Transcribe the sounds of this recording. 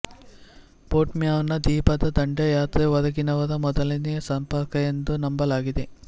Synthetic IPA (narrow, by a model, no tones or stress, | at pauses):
poːʈmjaːʋɐnːɐd̪iːpɐd̪ɐd̪ɐɳɖejaːt̪ɾeʋɐd̪ɐɡinɐʋɐd̪ɐmɔd̪ɐliniɐsɐmpɐɾkɐend̪unɐmbɐlaːɡid̪e